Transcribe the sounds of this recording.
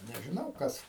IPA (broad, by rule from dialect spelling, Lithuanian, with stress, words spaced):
nʲɛʒʲɪˈnɐʊ ˈkɐs